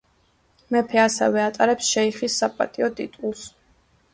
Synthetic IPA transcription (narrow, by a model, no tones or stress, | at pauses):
mɛpʰɛasɛ̰vɛat̪ʼaɾɛpsʃɛiχisːapʼa̰t̪ʼiɔt̪ʼḭt̪ʼulˠs